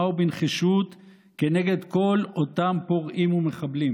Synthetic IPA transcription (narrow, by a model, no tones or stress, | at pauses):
ubinχiʃut̪ | kene̞ɡe̞d̪ko̞lot̪ampoʁʔimumeχablim